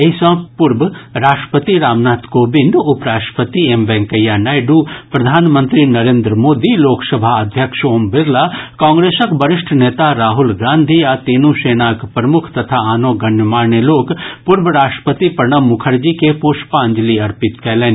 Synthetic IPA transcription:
esɐ̃pʊɾbɾaːʂʈə̥pət̪iɾaːmnaːt̪koːbɪnɖʊpɾaːʂʈəpət̪ieːmbɛ̃ŋkəjːanaːjɖupɾɐd̪ʱaːnmə̃nt̪ɾinɐɾẽːnd̪ɾəmoːd̪iloːksɐbʱaɐd̪ʱjəkʃoːmbɪɾlakãːŋɡɾeːsəkbɐɾɪʃʈʰneːt̪aɾaːɦʊlɡaːnd̪ʱiat̪eːnũʃeːnaːkpɾɐmʊkʰt̪ɐt̪ʰaaːnoːɡɐɳəmaːɾɳeloːkpʊɾbəɾaːʃʈə̥pət̪ipɐɾɳəmʊkʰəɾd͡ʒiːkepoːʃpaə̃ɲd͡ʒliɐɾpɪt̪kɛɦleːn

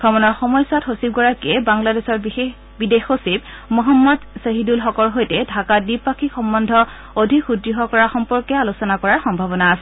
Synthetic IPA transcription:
ɡ̥ɔmɔnɔɹxɔmɔjsathosib̚ɡɔɹakiɛbaŋladesɔɹe | bidexosib̚ | mɔɦamːɔdseɦidulxɔkɔlɦojtɛdʱakadipakʰixɔmbɔndʱɔ | odʱikxudɹiɦɔkɔɹaxɔmpɔɹkɛalusɔnakɔɹaɹxɔmbʱabɔnaːsɛ

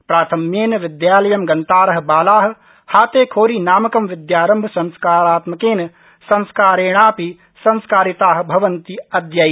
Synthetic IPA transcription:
pɾaːt̪ʰɐmjeːnɐʋɪd̪jaːlɐjɐmɡɐnt̪aːɾɐɦɐ̆baːlaːɦ̆ | haːt̪eːkʰoːɾiːnaːmɐkɐmʋɪd̪jaːɾɐmbʱɐsɐ̃nskaːɾaːt̪mɐkeːnɐ | sɐ̃nskaːɾeːɽ̃aːpi | sɐ̃nskaːɾit̪aːɦ̆bʱɐʋɐnt̪iɐd̪jɐj

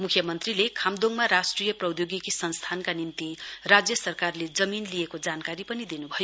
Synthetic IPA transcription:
mukʰjʌmʌnt̪rilekʰamd̪oŋmaɾasʈrijʌprʌwd̪joɡikisʌnst̪ʰankanint̪irad͡zjʌsʌrkarled͡zʌminlijekod͡zankaɾipʌnid̪inubʱʌjo

